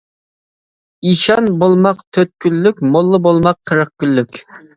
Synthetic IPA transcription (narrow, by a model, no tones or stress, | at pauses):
iʃɑnbolˠmɑqt̪ʰøt̪̚kʲʰylːykʲmolˠːɨbolˠmɑqʰːəɾəq̚kʲylːykʲ